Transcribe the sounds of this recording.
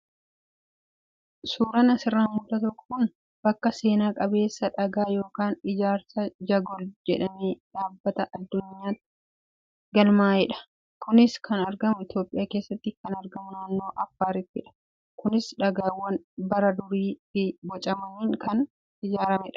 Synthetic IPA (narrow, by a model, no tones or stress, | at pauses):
suːɾɐnɐsɪrːaːmmʊt̪ːɐt̪ɔkːɔ̥kʊn | b̥ɐkːɐse̞ːnaːkʼɐbe̞ːsːɐᶑɐɡaːjo̞ːkaːnɪd͡ʒaːɾsɐd͡ʒɐɡɔld͡ʒɛᶑɐmeːᶑaːbːɐt̪ɐʔɐd̪ːʊɲːaːt̪ːɪ | ɡɐlmaːɛᶑɐ̥ | kʊnɪskʰɐnɐɾɡɐmʊɪt̪jo̞ːpʼːɪjaːke̞ːsːɐt̪ːɪkɐnɐɾɡɐmʊnaːnːo̞ːʔɐfːaːɾɪt̪ːɪᶑɐ̥ | kʊnɪsᶑɐɡaːwːɐnbɐɾɐd̪ʊɾiːfɪbɔt͡ʃʼɐmɐniːŋkɐn | ɪd͡ʒaːɾɐmɛᶑɐ̥